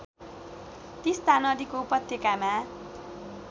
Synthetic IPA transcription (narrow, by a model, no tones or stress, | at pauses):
t̪ist̪anʌd̪ikoupʌt̪jʌkama